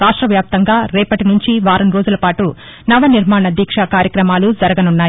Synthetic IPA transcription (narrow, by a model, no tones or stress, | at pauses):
ɾaːʂʈɾɐʋjaːp̚t̪ɐŋɡaːɾɛːpɐʈinuɲt͡ʃiʋaːɾɐmɾo̞ːd͡ʒulɐpaːʈu | nɐʋɐniɾmaːɳɐd̪ʱiːkʂakaːɾjɐkɾɐmaːlud͡ʒɐɾɐɡɐnunːaːji